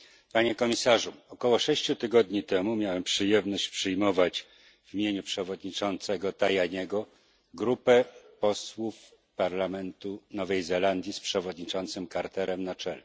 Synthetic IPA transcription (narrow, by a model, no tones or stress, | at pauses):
paɲɛkɔmʲisaʐuɔkɔwɔʂɛɕt͡ɕut̪ɘɡɔd̪ɲit̪ɛmumʲjawɛmpʂɘjɛmnɔɕt͡ɕpʂɘjmɔvat͡ɕ | vʲimʲjeɲupʂɛvɔd̪ɲit͡ʂɔnt̪sɛɡɔt̪ajaɲɛɡɔ | ɡɾupɛpɔswuf | paɾlamɛnt̪unɔvɛjzɛland̪ʲjispʂɛvɔd̪ɲit͡ʂɔnt̪sɘmkaɾt̪ɛɾɛmnat͡ʂɛlɛ